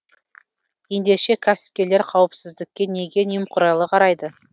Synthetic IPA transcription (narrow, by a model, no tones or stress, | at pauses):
je̞nd̪e̞ʃe̞kʲʰæsɪ̥p̚kʲe̞leɾqʰɑwəpsɪzd̪ɪkʲːe̞ne̞ɡʲe̞nijmqʰʊɾɑjlˠəqʰɑɾɑjd̪ə